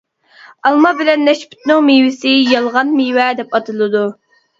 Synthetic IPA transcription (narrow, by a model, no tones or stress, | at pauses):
ɑlˠmɑbɪlɛnːɛʃpy̥t̪nɨŋmewɪsɪjɑlˠʁɑnmiwɛd̪ɛpɑt̪ʰɨlˠɨd̪u